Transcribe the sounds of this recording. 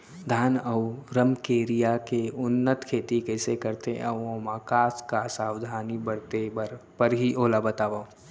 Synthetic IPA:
d̪ʱaːnəwɾəmkeːɾijakeʊnːət̪kʰeːt̪ikɛːsekəɾt̪eəwõmaːkaːskasaːwd̪ʱaːnibəɽt̪eɾpəɾɦiʔoːlabət̪aːʋa

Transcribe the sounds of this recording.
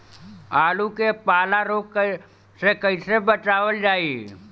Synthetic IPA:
aːlukepaːlaɾoːkː | sekəisebət͡ʃaːʋəld͡ʒaːi

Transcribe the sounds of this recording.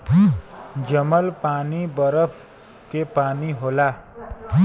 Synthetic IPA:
d͡ʒəməlpaːnibəɾəpʰ | kepaːniɦoːlaː

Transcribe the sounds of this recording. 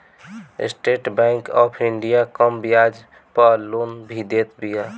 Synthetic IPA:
sʈeʈbɛ̃ŋkɔ̰pʰiɳɖijakəmbijad͡ʒ | pəlonbʱid̪et̪bija

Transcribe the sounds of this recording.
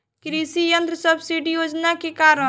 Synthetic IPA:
kɾisijə̃nd̪ɾəsəbsiɖijoːd͡ʒnakekaːɾə

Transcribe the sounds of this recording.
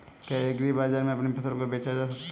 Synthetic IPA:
kaeɡɾibaːd͡ʒaːɾmẽɐpnepɐt̪ʰɾbkobeːt͡ʃad͡ʒaːs̬ɐk̚t̪

